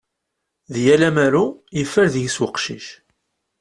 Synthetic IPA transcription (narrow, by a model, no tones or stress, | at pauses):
ðjælæmæɾujəfːəɾðjəswəqʃḭʃ